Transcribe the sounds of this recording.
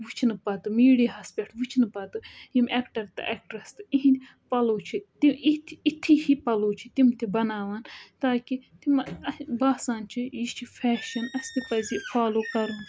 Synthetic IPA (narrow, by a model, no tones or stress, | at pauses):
ʋut͡ʃʰnɨpɐt̪ɨmiːɽiɦɐspʲeʈʰʋut͡ʃʰnɨpɐt̪ɨjimeːkʈɐɾt̪ɨ̰ʔeːk̚ʈɐɾɐst̪ɨiɦin | pɐloːt͡ʃʰit̪iit̪ʰit̪ʰihipɐloːt͡ʃʰi̥t̪imt̪ʰibɐnaːʋaːnt̪aːkit̪imɐbaːsaːnt͡ʃʰijit͡ʃʰifʰɛːʃɐnɐst̪ipɐzifʰaːloːkɐɾun